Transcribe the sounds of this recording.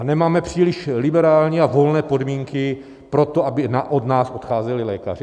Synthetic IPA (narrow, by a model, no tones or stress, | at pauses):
nɛmaːmɛpr̝̥iːlɪʃlɪbɛɾaːlɲiːavo̞lnɛːpo̞dmiːŋkɪ | pɾo̞t̪oabɪnaʔod̪naːsʔot̪xaːzɛlɪlɛːka̰rɪ